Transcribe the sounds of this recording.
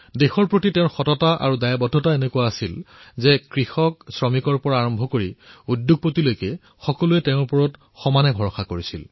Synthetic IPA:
dexɔɹpɹotiteʊ̃ɹxɔtɔtaʔa̰ɹudajabɔdʱɔtaenekuwaːsilzɛkɹixɔksɹɔmikɔɹpɔɹaːɹɔmbʱɔkoɹiudjʊɡ̚potilojkɛ | xɔkɔluɛtɛʊ̃ɹpɔɹɔt | xɔmanɛbʱɔɹɔxakoɹisil

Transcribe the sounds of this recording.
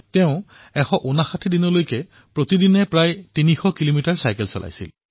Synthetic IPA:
tɛʊ̃ | ɛxɔʔunaxatʰidinɔlojkɛ | pɹotidinɛpɹajtinixɔkilomitaɹsajkɛlsɔ̰lʔa̰jsḭl

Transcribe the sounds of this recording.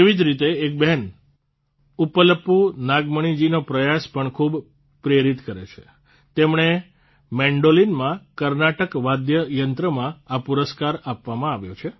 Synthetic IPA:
eʋid͡ʒɾit̪eːk̚bɛɦɛn | upələpːunaɡməɳ̃id͡ʒinopɾəjaspəɳkʰub | pɾeɾit̪kəɾḛt͡ʃʰe | t̪emɳe | mɛ̃ɳɖolinmãkəɾnaʈəkʋad̪jəjənt̪ɾəmãapuɾəskaɾapʋamãaʋjot͡ʃʰe

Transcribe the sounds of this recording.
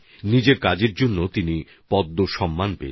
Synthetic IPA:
nid͡ʑeɾkad͡ʑeɾd͡ʑonːot̪ini | pɔd̪ːoʃɔmːanpḛ

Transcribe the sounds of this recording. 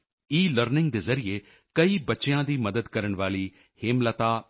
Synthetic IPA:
iːləɾnɪŋɡ̚d̪eːzəɾɪeː | kəiːbətːʃejãːd̪iːməd̪əd̪kəɾəɳʋaːliː | hɪmlət̪aː

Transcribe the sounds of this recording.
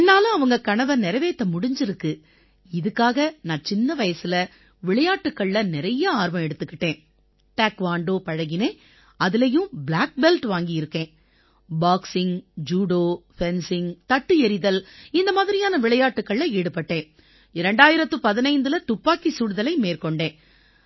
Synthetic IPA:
ɛnːaːlɐ̃ɐʋɐŋɡɐkɐɳɐʋɐnɪɾɐʋeːt̪ːɐmʊɽɪɲd͡ʒɪɾɯkːɯ | ɪðɯkːaːɣɐnãːt͡ʃɪnːɐʋɐjɐsɪlɐ | ʋɪɭɐjaːʈːɯkːɐɭːɐnɪɾɐjɐaːɾʋɐ̃mɛɽɯt̪ːɯkːɪʈːẽː | ʈɐːkʋaːɳɖoːpɐɻɐɣɪneː | ɐðɪlɐjɯ̃blaːk̚bɛlʈʋaːŋɡɪjɪɾɯkːẽː | baːksɪŋd͡ʒuːɽoːpɛnsɪŋt̪ɐʈːɯɛɾɪðɐlɪnd̪ɐmaːðɪɾɪjaːnɐʋɪɭɐjaːʈːɯkːɐɭːɐeːɽɯpːɐʈːẽː | ɪɾɛɳɖaːjɪɾɐt̪ːɯpɐðɪnɐɪnd̪ɯlɐt̪ʊpːaːkisuːɽɯðɐlɐɪmeːɾkɔɳɖẽː

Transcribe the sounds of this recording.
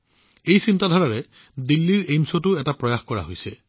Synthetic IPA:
ejsintadʱɔɹaɹɛ | dilːiɹejmsotʊɛtapɹɔjaxkɔɹa̰ɦojsɛ

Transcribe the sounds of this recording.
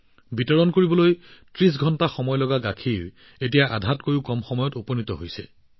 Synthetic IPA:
bitɔɹɔnkoɹibɔlojtɹis̬ɡʱɔntaxɔmɔjlɔɡaɡakʰiw | etijaʔadʱatkoɹʊkɔmxɔmɔjɔtupɔnitɔɦojsɛ̰

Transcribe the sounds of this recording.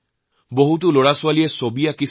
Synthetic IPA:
boɦut̬ʊloɹasʊwalijɛsobijaki

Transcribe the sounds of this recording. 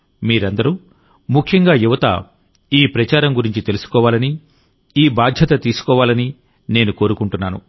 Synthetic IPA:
miːɾɐnd̪ɐɾu | mukʰjɐŋɡaːjuʋɐt̪ɐ̰ | iːpɾɐt͡ʃaːɾɐmɡuɾiɲt͡ʃit̪e̞lusu̥kɔːʋaːlɐni | iːbaːd̪ʱjɐt̪ɐt̪iːsu̥kɔːʋaːlɐni | ne̞ːnuko̞ːɾukuɳʈunːaːnṵ

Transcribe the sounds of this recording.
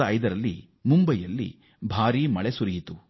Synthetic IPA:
ɐɐjd̪ɐɾɐlːḭ | mumbɐjɐlːḭ | bʱaːɾiːmɐɭesuɾijit̪u

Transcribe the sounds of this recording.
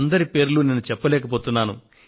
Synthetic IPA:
nd̪ɐɾipe̞ːɾlune̞ːnːut͡ʃɛpːɐlɛːkɐpoːt̪unːaːnṵ

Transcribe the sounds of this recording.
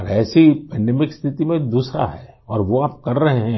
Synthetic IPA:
ɔɾɛːsipɛ̃ːɳɖɛːmɪkst̪ʰɪt̪imẽd̪uːsɾa̰ɦɛː | ɔːɾʋoaːp̚kɐɾːɐɦeɦɛ̃

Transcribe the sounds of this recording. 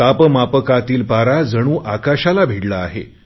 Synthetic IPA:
apəmapəkat̪iːlpaɾad͡zəɽ̃ũːʔakaɕalabʱeɽlaːɦḛ

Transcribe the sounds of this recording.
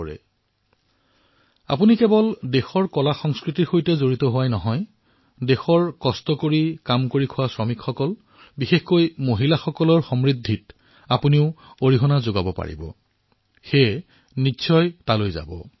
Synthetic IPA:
ɛ̰ | a̰punikɛbɔldexɔɹkɔlaxɔŋskɹitiɹxojtɛzoɹitɔɦʊwajnɔɦɔj | dexɔɹkɔstɔkoɹikamkoɹikʰʊwasɹɔmikxɔkɔl | bixexkojmoɦilaxɔkɔlɔɹxɔmɹidʱːit | apuniʊoɹiɦɔnazoɡabɔpa̰ɹḭbɔ̰ | xe | nisʰɔjtalojza̰bɔ̰

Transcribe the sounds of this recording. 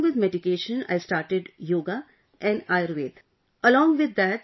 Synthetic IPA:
ʋɪd̪meɖɪkeːʃə̃na̰ɪsʈaːɾʈɪɖjoːɡa | ʔɛ̃ɳɖaɪəɾʋeːt̪ | əlɔ̃ːŋɡʋɪd̪ːæʈ

